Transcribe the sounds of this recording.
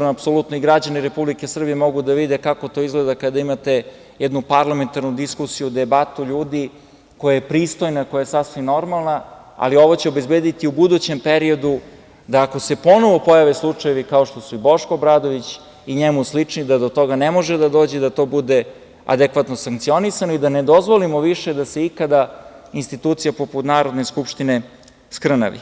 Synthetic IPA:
noapso̞lut̪noiɡɾad͡ʑaniɾe̞publikesr̩bijemo̞ɡud̪aʋid̪ekako̞t̪o̞izɡled̪akad̪aimat̪e̞ | jɛd̪nupaɾlament̪aɾnud̪iskusijud̪ebat̪uʎuːd̪i | ko̞jajepɾiːst̪ojnako̞jajesasʋimno̞ɾmalˠnaa̰lio̞ʋot͡ɕeobe̞zbeːd̪it̪iubud̪ut͡ɕe̞mpeɾio̞d̪u | d̪aːko̞se̞po̞no̞ʋo̞po̞jaʋeslˠut͡ʂajeʋikao̞ʃt̪o̞suibo̞ʃkoːbɾaːd̪o̞ʋit͡ɕ | iɲemuslit͡ʂnid̪ad̪ot̪o̞ɡanemo̞ʒed̪ad̪o̞ːd͡ʑe̞d̪at̪o̞ːbud̪e̞ | a̰d̪ekʋat̪no̞saŋk̚t̪sio̞nisanoid̪aned̪o̞zʋolimoʋiʃe̞d̪ase̞ikad̪ainst̪it̪uːt̪sijapoput̪naːɾo̞d̪neskupʃt̪ine̞ | skr̩na̰ʋḭ

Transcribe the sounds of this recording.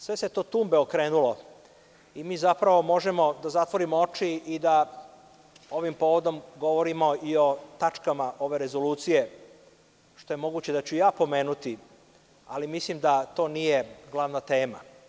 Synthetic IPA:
sʋe̞set̪o̞ːt̪uːmbe̞okɾeːnulo̞ | imiːzapɾaʋo̞mo̞ʒemo̞d̪azat̪ʋo̞ɾimoot͡ʃiid̪a | o̞ʋimpo̞ːʋo̞d̪o̞mɡo̞ʋo̞ɾimo̞io̞t̪at͡ʃkamaʔo̞ʋe̞ɾezo̞luːt̪sije̞ | ʃt̪o̞je̞mo̞ɡuːt͡ɕe̞d̪at͡ɕujaːpo̞me̞ːnut̪i | alimislimd̪at̪o̞ːnije̞ɡlˠaʋnat̪e̞ːma

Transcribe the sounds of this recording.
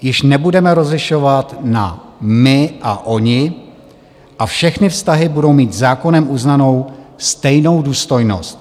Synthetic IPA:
jɪʃnɛbudɛmɛɾo̞zlɪʃo̞vat̪na̰mɪʔaʔoɲɪ | ʔafʃɛxnɪfst̪aɦɪbudo̞wmiːt̪zaːko̞nɛmʔuznano̞wst̪ɛjno̞wduːst̪o̞jno̞̰st̪

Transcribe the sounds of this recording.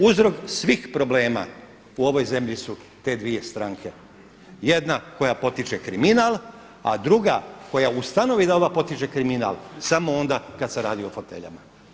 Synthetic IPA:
uzɾo̞ksʋiːxpɾo̞ble̞ːma̰ | uo̞ʋo̞jze̞mʎisu | t̪e̞d̪ʋije̞st̪ɾaːŋkʰe̞ | je̞d̪nako̞japo̞t̪it͡ʃekɾiminal | a̰d̪ɾuɡako̞jaust̪ano̞ʋid̪aoʋapo̞t̪it͡ʃekɾimina̰lsamo̞o̞nd̪akad̪se̞ɾaːd̪io̞fo̞t̪e̞̰ʎa̰ma

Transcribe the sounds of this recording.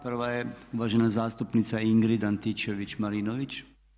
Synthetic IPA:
prʋajɛuʋaːʒenazaːst̪upnit̪saiŋɡɾid̪ant̪it͡ʃeʋit͡ʃmaɾinoʋit͡ʃ

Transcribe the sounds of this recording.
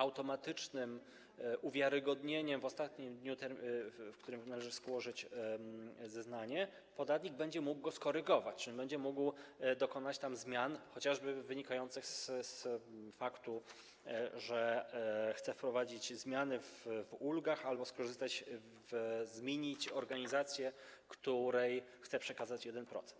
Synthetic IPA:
awt̪ɔmat̪ɘt͡ʂnɘm | ʔuvʲjaɾɘɡɔd̪ɲeɲɛmvɔst̪at̪ɲimd̪ɲut̪ɛɾfkt̪uɾɘmnalɛʐɘskwɔʐɘt͡ɕ | zɛznaɲɛ | pɔd̪at̪ɲiɡ̚bɛɲd͡ʑɛmuɡɡɔskɔɾɘɡɔvat͡ɕʐɛbɛɲd͡ʑɛmuɡwd̪ɔkɔnat͡ɕt̪amzmʲjanxɔt͡ɕaʐbɘvɘɲikajɔnt̪sɘxssfakt̪u | ʐɛ | xt̪sɛfpɾɔvad͡ʑit͡ɕzmʲjanɘvvulɡaxalbɔskɔʐɘst̪at͡ɕ | vzmʲjeɲit͡ɕɔɾɡaɲizat̪sʲjɛkt̪uɾɛjxt̪sɛpʂɛkazat͡ɕjɛd̪ɛnpɾɔ̰t̪sɛ̥nt̪

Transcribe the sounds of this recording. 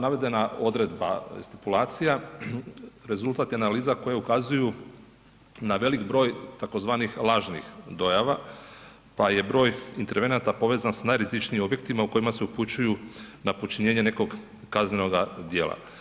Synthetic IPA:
naʋe̞d̪e̞nao̞d̪ɾe̞d̪ba̰st̪i̥pulˠaːt̪sija | ɾe̞zulˠt̪at̪jeanaliːzako̞jaukazuju | naʋe̞likbɾo̞ːjt̪ako̞zʋaːnixlˠaːʒnḭxd̪o̞jaʋa | paje̞bɾo̞ːjint̪e̞ɾʋe̞nat̪apo̞ʋe̞ːzansnajɾizit͡ʃniːmo̞bje̞k̚t̪imauko̞imaseuput͡ɕujunapot͡ʃiɲe̞ːɲe̞ne̞ko̞ɡ | kazneno̞ɡad̪je̞ːlˠa̰

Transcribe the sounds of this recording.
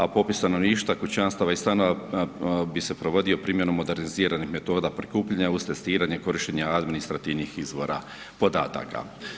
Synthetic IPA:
apo̞pisanoʋniːʃt̪akut͡ɕanst̪aʋaist̪anoʋa | bise̞pɾo̞ʋo̞d̪iopɾiːmje̞nomːo̞d̪e̞ɾniziːɾanixme̞t̪o̞ːd̪apɾi̥kuːpʎaɲauz̥t̪e̞st̪iːɾaɲeko̞ɾiʃteɲaad̪minist̪ɾat̪iʋnixizʋo̞ɾa̰ | po̞d̪a̰ːt̪a̰ka̰

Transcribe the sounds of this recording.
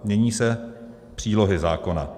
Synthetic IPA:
mɲɛɲiːsɛ | pr̝̥iːlo̞ɦɪzaːko̞na̰

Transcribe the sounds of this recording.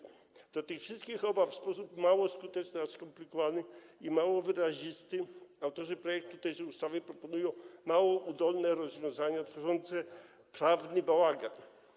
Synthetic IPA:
d̪̥ɔt̪ɘxfʂɨst̪kʲixɔbaffspɔsupmawɔskut̪ɛt͡ʂnɘaskɔmplʲikɔvanɘimawɔvɘɾaʑist̪ɘawt̪ɔʐɨpɾɔjɛk̚t̪ːut̪ɛjʂɛust̪avɘpɾɔpɔnujɔ̃w̃mawɔʔud̪ɔlnɛɾɔzvʲjɔ̃w̃zaɲat̪fɔʐɔnt̪sɛ | pɾavnɘbawaɡan

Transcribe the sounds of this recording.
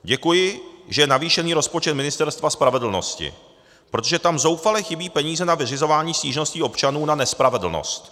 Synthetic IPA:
ɟɛkujɪʒɛjɛnaviːʃɛniːɾo̞spot͡ʃɛt̪mɪnɪst̪ɛɾst̪vaspɾavɛdl̩no̞̰scɪ̰ | pɾot̪o̞ʒɛt̪amzo̞wfalɛxɪbiːpɛɲiːzɛnavɪrɪzo̞vaːɲiːsciːʒno̞sciːʔo̞pt͡ʃanuːnanɛspɾavɛdl̩no̰st̪

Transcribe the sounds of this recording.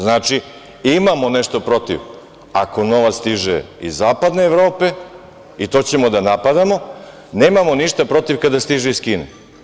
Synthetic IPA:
znaːt͡ʃi | imamo̞neʃt̪o̞pɾo̞t̪ḭʋ | ako̞no̞ʋat̪st̪iʒḛḭzːaːpad̪neːʋɾo̞ːpe̞ | it̪o̞ːt͡ɕe̞mo̞d̪anapad̪amo̞ | neːmamo̞niʃt̪apɾo̞t̪iʋkad̪ast̪iʒeiskiːnḛ

